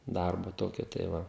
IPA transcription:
ˈdɐrbʊ ˈtoːkʲʊ tɐɪ ˈʋɐ

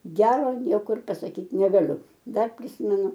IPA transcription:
ˈɡʲæːroː ˈnʲiɛkʊr ɪr pɐsɐˈkʲiːt nʲɛɡɐˈlʲʊ ˈdɐr pʲrʲɪˈsʲɪmʲɛnʊ

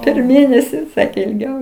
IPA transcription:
pʲɛr ˈmʲeːnʲɛsʲɪ ˈsɑːkʲeː ɪlʲˈɡʲɛʊ

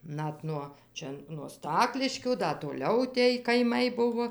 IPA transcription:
ˈnɐt nuɔ ˈt͡ʃʲɛ nuɔ ˈstɑːklʲɪʃʲkʲuː ˈdɐ toːˈlʲɛʊ tʲeːj kɐɪˈmɐɪ ˈbʊʋoː

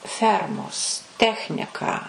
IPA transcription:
ˈfʲɛrmoːs ˈtʲæːxʲnʲɪkɑː

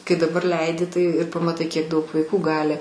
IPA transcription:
kɐɪ dɐˈbɐr ˈlʲɛɪdʲɪ tɐɪ ɪr pɐmɐˈtɐɪ kʲiɛk ˈdɐʊk ʋɐɪˈkuː ˈɡɑːlʲɪ

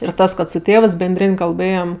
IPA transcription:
ɪr ˈtɐs kɐt sʊ ˈtʲeːʋɜs bʲɛnʲˈdʲrʲɪnʲ kɐlˠˈbɘjɛm

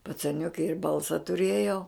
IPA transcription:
pɐt͡sɐˈnʲʊkʲɪ ɪr ˈbɐlˠsɐ tʊˈrʲeːjɛʊ

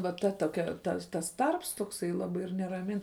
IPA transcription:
ʋɐ ˈtɐ toːˈkʲɛ ˈtɐ tɐs ˈtɐrps toːkˈsɐɪ ˈlˠɑːbɐɪ ɪr nʲɛrɐˈmʲɪn

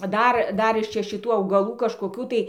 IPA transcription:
ˈdɐr ˈdɐr ɪʃ ˈt͡ʃʲɛ ʃʲɪˈtuː ɐʊɡɐˈlˠuː kɐʃkoːˈkʲuː tɐɪ

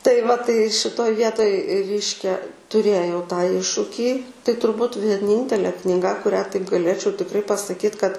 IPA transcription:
tɐɪ ʋɐ tɐɪ ʃʲɪˈtoːj ˈʋʲiɛtoːj ˈrʲɛɪʃʲkʲɛ tʊˈrʲeːjɛʊ tɑː ˈɪʃʃʊkʲiː tɐɪ tʊrˈbuːt ʋʲiɛˈnʲiːnʲtʲɛlʲɛ knʲɪˈɡɐ kʊˈrʲæː tɐɪp ɡɐˈlʲeːt͡ʃʲɛʊ tʲɪkˈrɐɪ pɐsɐˈkʲiːt kɐt

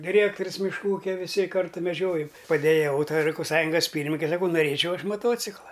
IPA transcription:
dʲɪˈrʲeːktoːrʲʊs mʲɪʃˈkuː ˈuːkʲɛ ʋʲɪˈsʲɪ ˈkɐrtʊ mʲɛˈd͡ʒʲoːjoːm pɐdʲɛjɛˈʋɐʊ tɐɪ rɐjkoːpˈsɑːjʊŋɡɐs ˈpʲiːrʲmʲɪnʲɪkʲɛ sɐˈkɐʊ noːˈrʲeːt͡ʃʲɛʊ ˈɐʃ mɐˈtoːt͡sʲɪklˠɐ

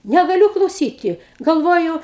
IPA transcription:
nʲɛɡɐˈlʲuː klˠɐʊˈsʲiːtʲɪ ɡɐlˠˈʋoːjʊ

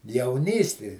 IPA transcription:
jɛʊˈnʲiːsʲtʲɪ

